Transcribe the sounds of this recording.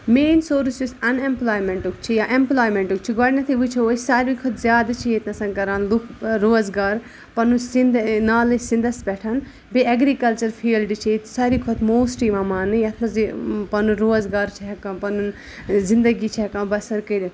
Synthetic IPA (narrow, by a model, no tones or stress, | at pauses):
meːnsoːɾsusɐnemplaːjmeɳʈukt͡ʃʰijaʔemplaːjmẽɳʈuk̚t͡ʃʰiɡɔːɽʲnɐt̪ʰiʋut͡ʃʰioːsaːɾikʰot̪ʰzʲjaːd̪ɨt͡ʃʰiet̪nɐsɐ̃ŋkɐɾãːnlukɾoːzɡaːɾ | pɐnusind̪naːlɐsĩnd̪ɐsbɛʈʰɐn | beɐɡɾikɐlt͡ʃɐɾfʰiːlɖɨt͡ʃʰit̪saːɾikʰot̪moːsʈimãmaːnɨjɐt̪ʰmɐzpɐnuɾoːzɡaːɾt͡ʃʰiɦɛkãpɐnun | zind̪ɐɡit͡ʃʰiɛkãːbɐsɐɾkɐli